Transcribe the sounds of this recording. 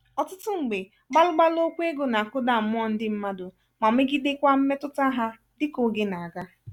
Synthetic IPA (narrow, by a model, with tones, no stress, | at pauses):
ɔ˨tʊ˦tʊ˦ŋ͡m̩˨ɡ͡be˨ | ɡ͡ba˦lʊ˦ɡ͡ba˦lo˦kʷe˦ɡo˨na˨kʊ˦da˨mʊ˦ɔ˦n̩˦dɪ˦m̩˦ma˦dʊ˨ | ma˨mɪ˦ɡi˦de˦kʷa˦m̩˦me˦tʊ˦ta˦ɦa˦ | dɪ˦ko˨ɡe˨˦na˨a˨ɡa˦